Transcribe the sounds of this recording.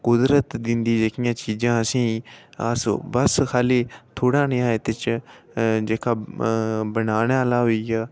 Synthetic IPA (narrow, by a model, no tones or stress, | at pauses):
kʊd̪ɾət̪d̪ɪnd̪iːd͡ʒeːkɪjãːt͡ʃiːd͡ʒãːəsĩːə̰sbəskʰaːleːt̪ʰoːɽaːnɪjãːet̪ɪt͡ʃ | d͡ʒeːkʰaː | bənaːnaːlaːɦoːiːɡaː